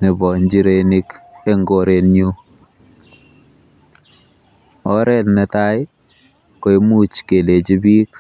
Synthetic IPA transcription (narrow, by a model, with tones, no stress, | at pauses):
nɪ˨bɔ˨ɲd͡ʒi˦ɾe˨ni˦ke˦ŋɡo˦ɾe˨njo˦ | ɔ˦ɾɛ˦˨tnɛ˨ta˦j | ko˨e˦mu˦t͡ʃke˨le˨d͡ʒi˦bi˦k